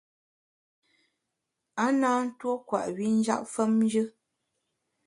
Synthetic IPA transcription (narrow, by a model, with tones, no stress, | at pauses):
a˦naː˦n̩˦two˦kwa̰˨ʔwi˨˦n̩˦d͡ʒa̰˦ʔfə˦mn˦d͡ʒɨ˦